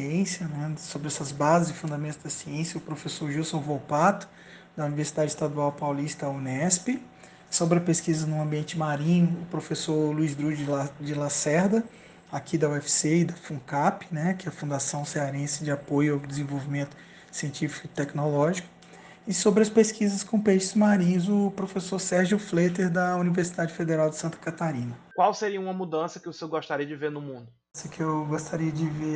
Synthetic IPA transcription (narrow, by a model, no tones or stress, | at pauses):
ẽsjɐnɛsobɾɪɛsɐzbazɪzɪfũnd̪amẽnt̪ʊzd̪ɐsiẽsjɐʊpɾofesoɾʒiwsɐ̃w̃vowpat̪ʊ̥ | d̪ɐuniveɾsid̪ad͡ʒɪist̪ad̪uawpawlist̪ɐunɛspɪ | sobɾɪɐpeskizɐnʊ̃ɐ̃mbiẽnt͡ʃɪmaɾĩɲʊːpɾofesoɾluizd̪ɾud͡ʒd͡ʒɪlasɛɾd̪ɐ | akʰid̪ɐuɛfi̥seid̪ɐfũkapɪ̥nɛkɪɛɐfũnd̪asɐ̃w̃seaɾẽsɪd͡ʒɪapojʊawd͡ʒɪzẽvowvimẽnt̪ʊ̥ | siẽnt͡ʃifi̥kʊit̪ɛknolɔʒikʊ̥ | ɪsobɾɪɐspeskizɐskõpeʃɪzmaɾĩzʊpɾofesoɾsɛɾʒʊflet̪eɾd̪ɐuniveɾsid̪ad͡ʒɪfed̪eɾawd͡ʒɪsɐ̃nt̪ɐ̥kat̪aɾĩnɐkwawseɾiɐũmɐmud̪ɐ̃sɐkɪvoseɡɔʃt̪aɾiɐd͡ʒɪveɾnʊmũnd̪ʊ | sɛkɪewɡost̪aɾiɐd͡ʒɪve